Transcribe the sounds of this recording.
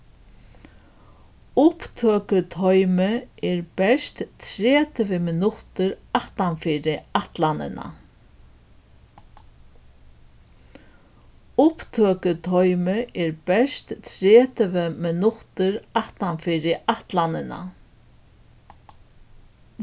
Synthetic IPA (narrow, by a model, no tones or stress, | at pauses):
ʊpt̪ʰøːkʏt̪ʰɔjmɪɛɹbɛst̪t̪ʰɾeːt̪ɪʋɪmɪnʊht̪ɪɾaht̪anfɪːɾɪaht̪lanɪ̰na̰ | ʊpt̪ʰøːkʏt̪ʰɔjmɪɛɾbɛʂt̪t̪ʰɾɛːt̪ɪvɪmɪnʊht̪ɪɾaht̪anfiːɾɪʔaht̪lanɪna̰